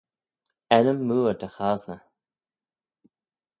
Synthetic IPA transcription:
ɛnəmːuːdəxaːznə

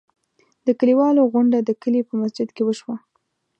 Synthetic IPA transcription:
d̪əkəliwɑloɣʊɳɖad̪əkəlipəmasd͡ʒɪd̪kewəʃwa

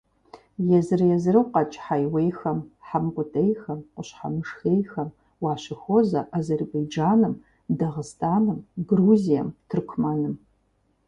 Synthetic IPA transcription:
jɛzɨrjɛzɨrɨwqɑt͡ʃʼħajwejxɐmħamqʷʊtʼejxɐmqʷʼʊɕħa̰mɨʂxejxɐm | wɑːɕɪxozɐʔazerbejd͡ʒaːnɨm | dɐʁɨstʰaːnɨmɡruːzijɐ̰mtʰɨrkʷʰmanɨm

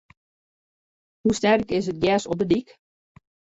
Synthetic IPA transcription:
husnɛrəkɪsət̚ɡjɛːsɔp̚dədik

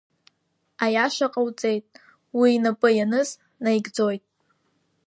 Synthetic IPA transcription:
ajaʃaqʼawt͡sʼe̞jtʼ | wiːnapʼɨjanɨz | najɡd͡zo̞jtʼ

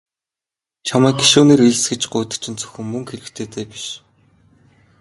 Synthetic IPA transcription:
t͡ɕʰamæːɡɡiʃuːneːɾiɮsɡĕt͡ɕɢʊːt̪ə̥̆t͡ɕʰɪ̆nt͡sɵ̥xʲɘ̆ŋmɵŋxeɾɘ̆kt̪ʰeːt̪ʰeːpi̥ʃ

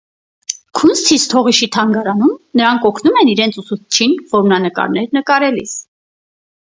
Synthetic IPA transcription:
kʰunst̪ʰist̪ʰɔʁiʃit̪ʰɑŋɡɑɾɑnumnəɾɑŋkɔkʰnumɛniɾɛnt͡sʰusut͡sʰt͡ʃʰinvɔɾmnɑnəkɑ̰ɾnɛɾnəkɑɾɛlḭs

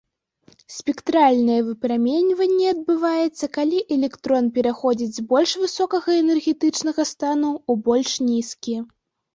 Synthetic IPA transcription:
sʲpʲɛkt̪ɾalʲnɐjɛvɨpɾamʲɛnʲvɐnʲːɛɐd̪̚bɨvajɛt̪sːɐkalʲiʔɛlʲɛkt̪ɾɔnpʲɛɾaxɔd͡zʲid͡zʲzbɔlʲʂvɨsɔkɐɣɐɛnɛrɣʲɛt̪ɨt͡ʂnɐɣɐst̪anuːbɔlʲʂnʲiskʲi

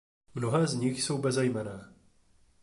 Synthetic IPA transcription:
mnoɦɛːzɲɪxso̞wbɛzɛjmɛnɛː

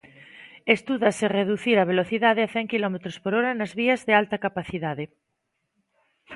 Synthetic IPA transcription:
est̪uðasereðuθiɾaβeloθiðaðeaθɛŋkilɔmet̪ɾospoɾoɾanazβiazðealt̪akapaθiðað̞e

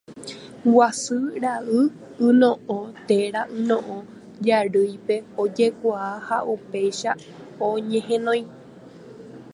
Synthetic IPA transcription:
wasɨɾaɨ | ɨ̃nõʔõt̪eɾaʔɨ̃nõʔõ | d͡ʒaɾɨjpe̞od͡ʒe̞kʷaaha̰ʔupe̞jʃa | oɲẽɦẽnõj̃

